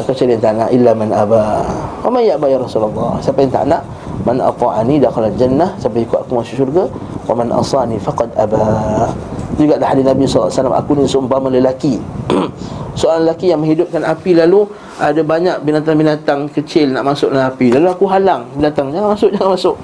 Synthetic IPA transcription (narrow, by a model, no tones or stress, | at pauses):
kət͡ʃiljant̪aʔnaʔilːamanʔabawamanjaʔbajaɾˤɑsulalːɑ̰hsampajant̪a̰ʔnaʔ | manʔɑ̰t̪ˤɑʔanidaxalald͡ʒanːahsapaikʊt̪akumasuʔʃurɡawamanʔɑ̰sɑnifaqɑd̪ʔaba | d͡ʒuɡaʔlahadiθnabisɔlːasalamʔa̰kunisʊmbamaləlaki | soʔaɾaŋləlakijaŋmə̃ŋɦidʊp̚kanapilalu | ʔadabaɲak̚binat̪̬aŋbinat̪aŋkət͡ʃɪlnaʔmasʊʔnaapilaluakuɦalaŋbinat̪aŋd͡ʒaŋanmasʊʔd͡ʒaŋanmasʊʔ